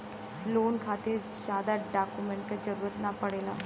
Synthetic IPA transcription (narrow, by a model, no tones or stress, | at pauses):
loːnkʰaːt̪eɾzaːd̪aɖaːkumɛ̃ɳʈ̚kad͡ʒɐɾuːɾət̪napəɽeːlaː